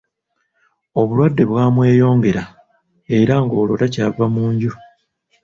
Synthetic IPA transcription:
o̞βulwadːe̞βwaːmwe̞ːjo̞ːŋɡe̞ɾa | e̞ɾaŋɡo̞ːlo̞̰tacaːvamuːɲɟu

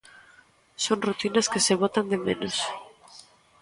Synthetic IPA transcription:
soŋrut̪inɐskeseβot̪and̪emẽnos

